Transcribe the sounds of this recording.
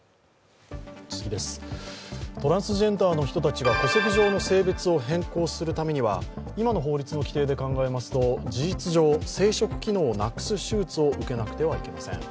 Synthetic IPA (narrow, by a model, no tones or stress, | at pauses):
t͡sɨɡʲid̪e̞sɨ̥ | t̪o̞ɾãɰ̃sɨʑẽ̞nt̪aːno̞çi̥t̪o̞t̪at͡ɕiɡako̞se̞kʲiʑo̞ːno̞se̞ːbet͡sɨo̞ɦẽ̞ŋko̞ːsɨɾɯ̟t̪ame̞ɲ̟iβa̰imano̞ɦo̞ːɾʲit͡sɨno̞kʲi̥t̪e̞ːd̪e̞kãŋɡae̞masɨ̥t̪o̞d͡ʑiʑit͡sɨʑo̞ːse̞ːɕo̞kɯ̟̥kʲino̞ːnakːɯ̥sɨɕɨːt͡sɨo̞ʔɯ̟ke̞nakɯ̟̥t̪e̞β̞aike̞ma̰sẽ̞̰ŋ